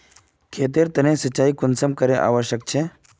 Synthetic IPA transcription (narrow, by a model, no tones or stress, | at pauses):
kʰeːt̪eɾt̪ɐnẽsət͡ʃːaːikʊnsəmkəɾeʔa̰ːʋəʃjək̚t͡ʃʰe